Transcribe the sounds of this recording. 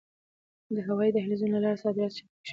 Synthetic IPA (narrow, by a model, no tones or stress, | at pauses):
d̪əɦawɑjid̪əɦɪlizunlalɑɾsɑd̪ɪɾɑt̪ʃ